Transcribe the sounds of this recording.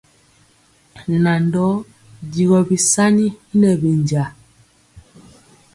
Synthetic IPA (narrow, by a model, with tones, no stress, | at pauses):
na˨ndɔ˦ | ɟi˨ɣɔ˨bi˨sa˦ɲi˦i˦nɛ˨bi˨nd͡ʒa˨